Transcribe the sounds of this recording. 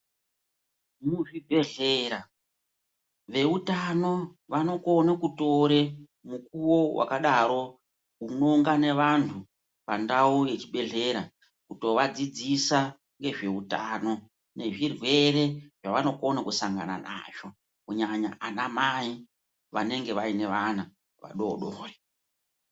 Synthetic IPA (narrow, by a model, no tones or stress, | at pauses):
muʐibʱe̞ɮeːɾa | ʋe̞utano̞ʋano̞ko̞nekuto̞ɾe̞ | mukuwo̞wʔa̰kaɗaɾo̞ | uno̞ŋɡane̞ʋantʰu | pa̰ndauje̞t͡ʃiɓe̞ɮe̞ɾa | kuto̞ʋad͡zid͡zisa | ŋɡe̞ʐe̞uta̰ːno̞ | ne̞ʐirwe̞re̞ʐaʋano̞konakusaŋɡa̰na̰na̰ːʐo̞ | kuɲaɲa̰ʔanamai | ʋa̰ne̞ŋɡe̞ʋaine̞ʋana | ʋa̰ɗo̞ɗoːre